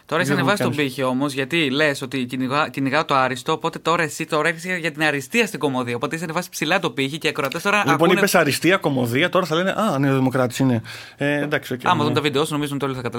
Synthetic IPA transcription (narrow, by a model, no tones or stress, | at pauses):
t̪o̞ɾɐissɐnevɐsist̪obiçio̞mo̞zʝɐt̪ile̞so̞t̪iciniɣɐciniɣɐt̪oɐɾist̪o̞ːpo̞t̪e̞t̪o̞ɾɐesit̪o̞ɾɐeɾçeseʝɐt̪inɐɾist̪iɐst̪iɡo̞mo̞ðiɐopo̞t̪eisɐnevɐsi̥psilɐt̪opiçiceːkɾoɐt̪est̪o̞ɾɐlikponninepesɐɾist̪iɐko̞mo̞ðiɐt̪o̞ɾɐθɐle̞nḛʔɐneoðimo̞kɾɐt̪i̥sine | ed̪ɐksioɐmɐðomt̪ɐvid̪eo̞suno̞mizomt̪olθɐkɐt̪ɐl